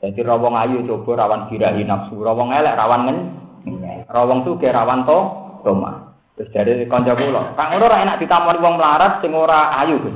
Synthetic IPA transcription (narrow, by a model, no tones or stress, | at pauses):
d͡ʒ̪̥ad̪iɾɔwɔŋajut͡ʃob̥ɔ̤ɾawanb̥i̤ɾaɦinap̚surɔwɔŋelɛʔrawanŋəɲ | rɔwɔŋsuɡ̥ɛɾawant̪ɔt̪oma̰n | t̪ʊsd̪̥a̤ɾikɔɲt͡ʃɔkulɔ̰raŋunɔɾaʔenaʔd̪̥i̤t̪amɔniwɔŋməlaɾat̪̚sɪŋoɾaːjub̥ɪs